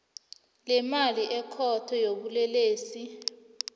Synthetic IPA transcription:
lɛmaliʔɛkʰɔtʰɔjoɓulɛleːsi

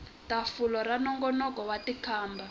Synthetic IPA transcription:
tafulɔɾanɔŋɡɔnɔkɔwatikʰaːmba

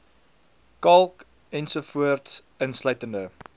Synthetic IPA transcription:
kɐlˠk | ɛnsufuərts | ənslœɥtəndə

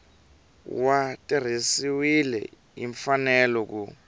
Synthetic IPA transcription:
watʼir̤isiwilɛ̰ | iɱfanɛlɔk̬u

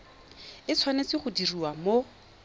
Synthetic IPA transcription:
ɪt͡sʰwanet͡sɪχʊdiriwamo

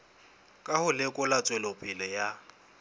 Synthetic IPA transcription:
kʼahʊlɪkʼʊlat͡sʼwɛlopʼɪlɪja

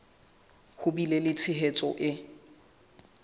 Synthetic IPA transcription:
hʊbilelɪt͡sʰɪɦet͡sʼɔʔɪ

